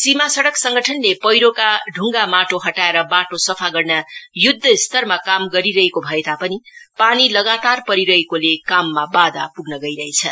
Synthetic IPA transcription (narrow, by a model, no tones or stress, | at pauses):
simasʌɽʌksʌŋɡʱʌʈʰʌnlepʌjɾokaɖʱuŋɡamaʈoɦʌʈaeɾʌbaʈosʌpʰaɡʌrnajud̪ʱːʌist̪ʌrmakamɡʌɾiɾʌɦekobʱʌet̪apʌnipanilʌɡat̪arpʌɾiɾʌɦekolekamːabad̪apuɡnʌɡʌiɾʌɦet͡sʰʌ̰